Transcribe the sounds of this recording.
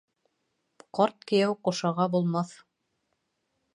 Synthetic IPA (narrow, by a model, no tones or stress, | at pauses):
qɑɾt̪̚kɘ̆jæwquʃɑʁɑbulˠmɑθ